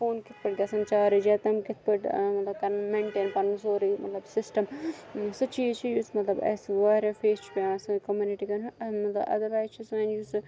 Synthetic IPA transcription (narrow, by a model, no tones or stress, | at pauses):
foːnkɪt̪̚ʰpɐʈ̚ɡɐsɐnt͡ʃaːɾid͡ʒat̪ɐmkɪt̪̚ʰpɐʈmɐt̪lɐb̚kɐɾnmẽːɳʈeːnpɐɾnsoːɾimɐt̪lɐbsɪsʈɐmsɨt͡ʃʰiːt͡ʃʰijusmɐt̪lɐbɐ̰ːsʋaːɾefʰeːst͡ʃʰi̥peãːsɐkɐmjuːniʈikɐnɐmɐt̪lɐ̰bɐ̰d̪ɐɾʋaːjzt͡ʃʰisʋɐ̃ːnjus